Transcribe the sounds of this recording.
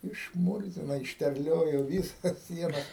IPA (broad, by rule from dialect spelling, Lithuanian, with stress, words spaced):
ɪʃˈmʊrʲzʲɪnoː ɪʃʲtʲɛrʲˈlʲoːjoː ˈʋʲiːˌsɐs ˈsʲiɛnɐs